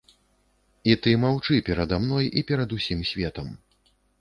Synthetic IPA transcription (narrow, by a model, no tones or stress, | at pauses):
it̪ɨmawt͡ʂɨpʲɛɾɐd̪amnɔjipʲɛɾɐd̪usʲimsʲvʲɛt̪ɐm